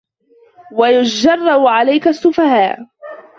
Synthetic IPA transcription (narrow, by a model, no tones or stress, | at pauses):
wajʊd͡ʒɑrˤːɑbʕalajkasːʊfahaːʔ